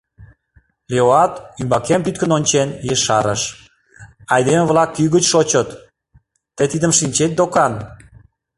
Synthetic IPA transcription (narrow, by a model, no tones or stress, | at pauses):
lʲeoɑt̪ymbɑkempyt̪̚kənonʲt͡ɕenjeʃɑɾəʃ | ɑjd̪emevlɑkːyɣət͡ɕʃot͡ɕət̪ː | əjt̪id̪əmʃinʲt͡ɕet̪̚d̪okɑn